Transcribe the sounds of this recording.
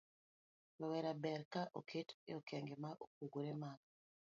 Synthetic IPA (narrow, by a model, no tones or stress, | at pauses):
wawɛɾabɛɾkaʔo̰kʰetḛokɛŋɡemaʔok̚uɡuɾemaka